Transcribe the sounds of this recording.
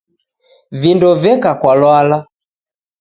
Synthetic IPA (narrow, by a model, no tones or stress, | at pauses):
vindɔvɛkakwalwala